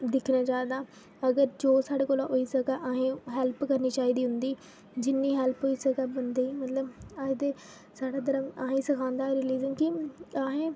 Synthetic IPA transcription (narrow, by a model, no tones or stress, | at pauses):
d̪ɪkʰnaːt͡ʃaːed̪aː | əɡəɾd͡ʒoːsaːɽeːkoːlaoːiːsəɡaːʔaːɦẽːɦɛːlpkəɾniːt͡ʃaːiːd̪iːɦʊnd̪iː | d͡ʒɪnːiːɦɛːlpɦoːiːsəɡaːbənd̪eːiːmət̪ləbaːet̪eː | saːɽaːt̪̬əɾaːaːɦẽːsəkʰãːnd̪aːɾɪliːzənkɪaːɦẽː